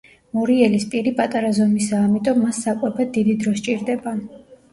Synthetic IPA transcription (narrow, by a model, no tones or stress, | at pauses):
mɔɾiɛlispʼiɾipʼat̪ʼaɾazɔmisaːmit̪ʼɔmːasːakʼwɛbad̪id̪id̪ɾɔst͡ʃʼiɾd̪ɛba